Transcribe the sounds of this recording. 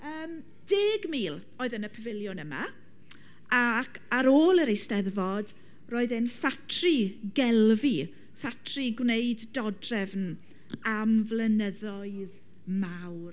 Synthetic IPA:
əːm | d̥eːɡmiːlˠ | oːɨðənəpʰəvɪlˠjʊnəma | akʰaɾoːlˠəɾejstɛðvɔd | roːɨðɨnfatʰriɡɛlˠvi | fatʰriɡwnejddɔdrɛvn | amvlˠənəðɔɨð | mawr

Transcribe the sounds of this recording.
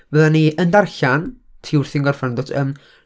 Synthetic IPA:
vəðaniʔəndarɬan | tʰiwrθiŋɡɔrfandotʰəm

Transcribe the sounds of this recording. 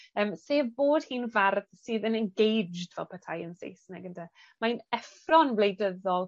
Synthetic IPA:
əːmseːboːd̥̚hiːnvarðsiːðənɛnɡejd͡ʒdvɛ̰lˠpʰətʰajənsḛjsnɛɡəntʰa | manɛfrɔnvlejdəðɔlˠ

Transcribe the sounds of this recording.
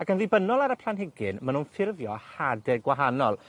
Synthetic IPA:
akənðɨbənɔlˠaɾəpʰlˠanɦɪɡɪnmanunfɪrvjɔhadɛɡwaɦanɔlˠ

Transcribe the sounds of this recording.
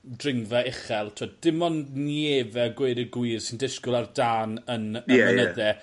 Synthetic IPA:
drɪŋvaɛχɛlˠtʰuːd̚d̥ɪmɔnnievɛɡweːɾəɡwiːrsɪndɪskʊlˠardaːnənənənəðɛ

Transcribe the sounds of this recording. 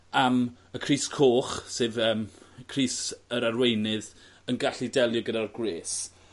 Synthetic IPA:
am | əkʰr̥iːskʰoːχseːvəːmkʰriːsəɾarwejnɨð | ənɡaɬidɛlˠjɔɡədarɡweːs

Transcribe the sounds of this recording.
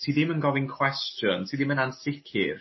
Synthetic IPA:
tʰiːðɪmənɡɔvɪnkʰw̥ɛstjɔ̰ntʰiːðɪmənansɪkʰɪ̰r

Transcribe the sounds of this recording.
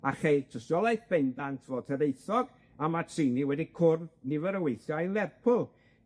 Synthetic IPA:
aχejtʰəsjɔlˠajθb̥ɛndantʰvoːd̚tʰəðeɨθɔɡ | amatʰriniwɛdikʰʊrnɪvəɾəwejθjɔilˠɛrpʰʊlˠ

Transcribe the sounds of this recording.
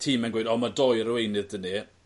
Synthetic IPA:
tʰiːmɛnɡwejdɔmadɔjəɾwejnɨðdəni

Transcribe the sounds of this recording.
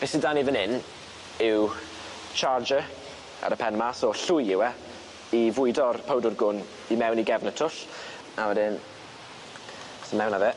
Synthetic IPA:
v̥ɛsidaniðənɪn | ɪw | t͡ʃʰard͡ʒə | a̰ɾəpʰɛnmasɔɬʊjɪwɛ | ivʊɨdɔrpʰowdʊrɡʊn | imɛwniɡɛvnətʰʊɬ | awɛdɪn | sənmɛwnavɛ

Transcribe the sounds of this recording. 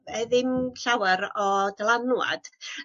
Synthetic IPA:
ɛðɪmɬawɛɾɔdalˠanwa̰d̥

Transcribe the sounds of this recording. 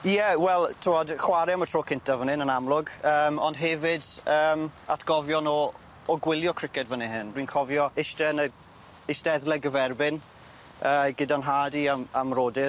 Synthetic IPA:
jɛwɛlˠtʰɪwɔdχwaɾɛamətʰroːkʰɪntavənɪnənamlˠʊɡəːmɔnd̥ɦɛvɪdəːma̰tʰɡ̥ɔvjɔnɔː | ɡwɪlˠjɔkʰr̥ɪkɛdvəniɦɪndwinkʰɔvjɔɪʃtɛnə | ɪsdɛðlˠɛɡəvɛrbɪn | əːɡɪdanɦaːdiamamroːdɪ

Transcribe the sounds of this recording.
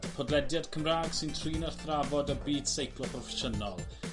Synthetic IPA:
pʰɔdlɛdjad̥kʰəmraːɡ̥sɪntʰriːnarθravɔdəbiːd̥sejkʰlˠɔpʰrɔfɛʃənɔlˠ

